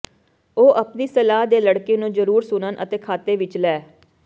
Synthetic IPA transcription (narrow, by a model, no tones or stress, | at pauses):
oːʔəpniːsəlaːd̪eːləɽkeːnũːzəɾuːɾsʊnənʔə̰t̪eːkʰaːt̪eːʋɪt͡ʃlɛː